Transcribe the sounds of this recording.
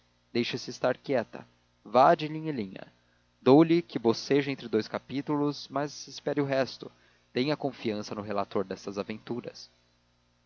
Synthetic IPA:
d̪ejʃɐsɪːst̪aɾkɛt̪ɐ̰ | vad͡ʒɪlĩɲɪlĩɲɐ̰ | d̪owlɪkɪboseʒʊẽnt̪ɾɪd̪ojskapit̪ulʊzmɐzɪspɛɾɪʊɦɛst̪ʊ | t̪ẽj̃ɐkõfiɐ̃sɐnʊɦelat̪oɾd̪ɛst̪ɐzavẽnt̪uɾɐ̰s

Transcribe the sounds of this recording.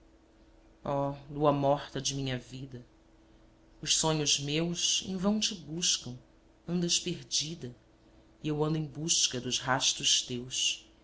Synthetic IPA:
ɔluɐmɔχt̪ɐd͡ʒɪmĩɲɐvid̪ɐ | ʊʃsõɲʊzmewʃḛ̃vɐ̃w̃t͡ʃɪbuʃkɐ̃w̃ | ɐ̃nd̪ɐʃpeɾd͡ʒid̪ɐ | iewɐ̃nd̪ʊẽj̃buʃkɐd̪ʊzɦaʃt̪ʊʃt̪ewʃ

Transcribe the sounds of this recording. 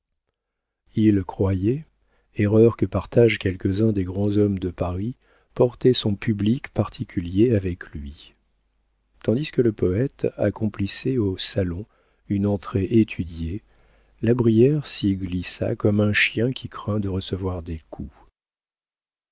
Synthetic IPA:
ilkχwajɛ | eʁœʁkəpaʁt̪aʒkʲɛlkəzɛ̃d̪eɡʁɑ̃zɔmd̪əpaʁi | pɔʁt̪ɛsɔ̃pyblikpaʁt̪ʰikʲʰyljeavɛklɥi | t̪ɑ̃d̪iskələpɔɛt̪a̰kɔ̃plisɛosalɔ̃ | ynɑ̃t̪χeʔet̪ʰyd̪je | labʁijɛʁsiɡlisa̰kɔmɛ̃ʃjɛ̃kʲʰikχɛ̃d̪əʁəsəvwaʁd̪ekʰu

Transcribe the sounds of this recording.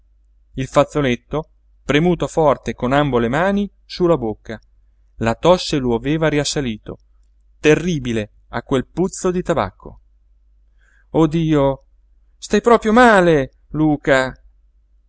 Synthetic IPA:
ilfat̪sːolet̪ːo | pɾemuːt̪ofɔrt̪ekonambolemaːni | sulːabokːa | lat̪ɔsːeloaveːvaɾiasːaliːt̪o̰ | t̪erːiːbile | akːwelput̪sːod̪it̪aba̰kːo̰ | od̪iːo | st̪ajpɾɔːpɾjomaːle | luːka

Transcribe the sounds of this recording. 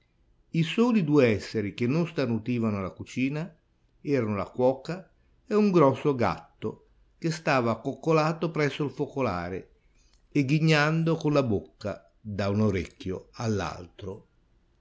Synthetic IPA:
isɔːlid̪uːeɛsːeɾikenːonst̪anut̪iːvanʊlakut͡ʃiːna | ɛːɾanola̰kwɔːka | ɛuŋɡɾɔsːoɡa̰t̪ːo | kest̪aːvaːkːokːolaːt̪opɾɛsːoilfokola̰ːɾḛ | eɡːiɲːand̪okonlabokːa̰ | d̪aunoɾekːjoalːa̰lt̪ɾo

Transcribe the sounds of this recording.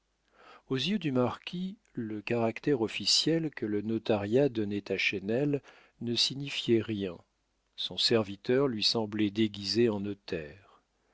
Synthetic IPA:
ozjød̪ymaʁkʲi | ləkaʁakt̪ɛʁɔfisjɛlkələnɔt̪aʁjad̪ɔnɛt̪aʃɛnɛl | nəsiɲifjɛʁjɛ̃ | sɔ̃sɛʁvit̪œʁlɥisɑ̃blɛd̪eɡʲizeɑ̃nɔt̪ʰɛːʁ

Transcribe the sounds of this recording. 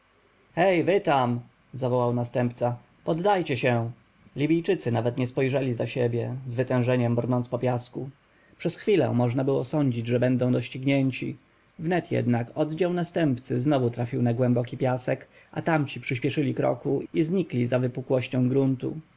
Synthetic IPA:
xɛjvɘt̪am | zavɔwawnast̪ɛmpt̪sa | pɔd̪ːajt͡ɕɛɕɛ | lʲibʲijt͡ʂɘt̪sɘnavɛt̪ɲɛspɔjʐɛlʲizaɕebʲjɛzvɘt̪ɛ̃w̃ʐɛɲɛmbɾnɔnspɔpʲjasku | pʂɛsxfʲilɛ̰mɔʐnabɘwɔsɔɲd͡ʑid͡ʑʐɛbɛnd̪ɔ̃w̃d̪ɔɕt͡ɕiɡɲɛɲt͡ɕi | vnɛt̪jɛ̰d̪nakɔd̪d͡ʑawnast̪ɛmpt̪sɘznɔvut̪ɾafʲiwnaɡwɛmbɔkʲipʲjasɛk | ʔa̰t̪amt͡ɕipʂɘɕpʲjɛʂɘlʲikɾɔ̰kuizɲiklʲizavɘpukwɔɕt͡ɕɔ̃w̃ɡɾunt̪ṵ

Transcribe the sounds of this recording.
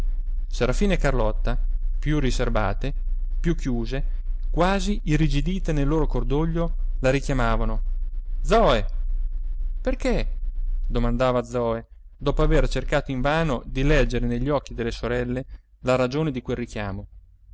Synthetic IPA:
seɾafiːnekarlɔt̪ːapjurːiserba̰ːt̪epjukʰːjuːze | kwaːziʔirid͡ʒid̪iːt̪enelːoːɾokord̪oʎːolaɾikjamaːvanod̪zɔːe | perke | d̪omand̪aːvad̪zːɔːed̪ɔːpoavert͡ʃerkaːt̪oiɱvaːnod̪ilɛd͡ʒːeɾeneʎːiɔk̟ːid̪elːesoɾɛlːe | laɾad͡ʒoːned̪ikwelːik̟jaːmo

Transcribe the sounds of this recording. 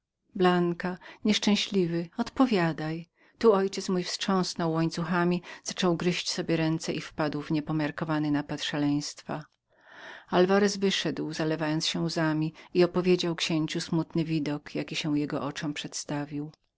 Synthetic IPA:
blaŋkaɲɛʂt͡ʂɛ̃w̃ɕlʲivɘɔt̪pɔvʲjad̪aj | t̪uɔjt͡ɕɛt̪smujfsʂɔ̃w̃snɔwːɔɲt̪suxamʲiz̥at͡ʂɔwɡɾɘɕt͡ɕsɔbʲjɛɾɛnt̪sɛʔifpad̪wvɲɛpɔmʲjaɾkɔvanɘnapat̪ʂalɛj̃st̪fa̰ | alvaɾɛsvɘʂɛd̪wzalɛvajɔntsɕɛ̃uzamʲiiɔpɔvʲjed͡ʑawkɕeɲt͡ɕusmut̪nɘvʲid̪ɔkjakʲiɕɛwjɛɡɔ̰ʔɔt͡ʂɔmpʂɛt̪st̪avʲiw

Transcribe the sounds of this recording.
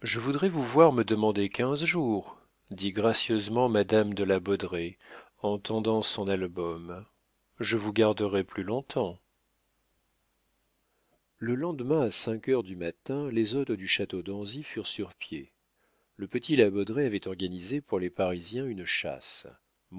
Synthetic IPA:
ʒəvud̪ʁɛvuvwaʁməd̪əmɑ̃d̪ekʲɛ̃zʒuʁ | d̪iɡʁasjøzmɑ̃mad̪amd̪əlabɔd̪ʁɛ | ɑ̃t̪ʰɑ̃d̪ɑ̃sɔ̃nalbɔm | ʒəvuɡaʁd̪əʁɛplylɔ̃t̪ʰɑ̃ | ləlɑ̃d̪mɛ̃asɛ̃kʲœʁd̪ymat̪ɛ̃lezot̪ʁəd̪yʃat̪od̪ɑ̃zifyʁsyʁpje | ləpət̪ʰilabɔd̪ʁeavɛt̪ɔʁɡanizepuʁlepaʁizjɛ̃ynʃa̰s

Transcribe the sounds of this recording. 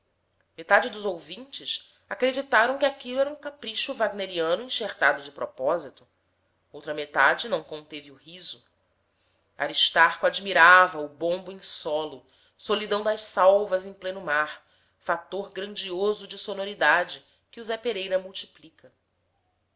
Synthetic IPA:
met̪ad͡ʒɪd̪ʊzowvĩnt͡ʃɪs | akɾed͡ʒit̪aɾɐ̃w̃kʲɪakilʊɛɾɐũkapɾiʃʊvaɡneɾiɐ̃nʊĩʃeχt̪ad̪ʊd͡ʒɪpɾɔpɔzit̪ʊ | owt̪ɾɐmet̪ad͡ʒɪnɐ̃w̃kõnt̪eviuhizʊ | a̰ɾiʃt̪aχkʊad͡ʒmiɾavɐʊbõmbʊẽsɔlʊ | solid̪ɐ̃w̃d̪ɐʃsawvɐzẽj̃plẽnʊmaɾ | fat̪oɾɡɾɐ̃nd͡ʒiozʊd͡ʒɪsonoɾid̪ad͡ʒɪ | kɪuzɛpeɾejɾɐmuwt͡ʃi̥plikɐ

